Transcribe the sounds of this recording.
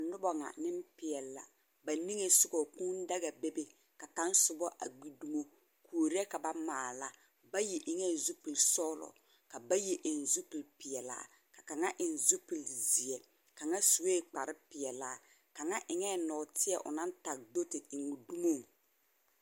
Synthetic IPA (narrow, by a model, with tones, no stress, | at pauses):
a˨nʊ˦bɔ˨ŋa̰˨nɪ˦m˦pɪ˨ɛ˨lːa̰˨ | ba˨ni˦ŋe˨sʊ˦ɡo˨ku˦n˦da˦ɣa˨be˦be˦ | ka˨ka˦n˦sʊ˨bɔ˦ʔa̰˨ɡ͡bi˨du˦mo˦ | kʰu˨o˨ɾi˦ɛ˦ka˨ba˦maː˨la˦ | ba˦jɛ˨ʔɪ˨ŋɛ˦˨zu˦pi˨lsɔ˦lɔ̰˨ | ka˨ba˦je˨ʔɪ˨n˨zu˦pi˨lpɪ˨ɛ˨la̰ː˦ | ka˨ka˨ŋa˦ʔɪ˨nzu˦pi˨lzi˨ɛ˨ | ka˨ŋa˦su˨we˦˨k͡pa˨ɾɪ˦pɪ˨ɛ˨laː˦ | ka˨ŋa˦ʔɪ˨ŋɛː˦˨nɔ˨tɪ˦ɛ̰˨ʔʊ̰˨na˦n˦ta˨k̚do˦tɪ˨ɪ˨ŋu˨du˦mo˦˨ŋ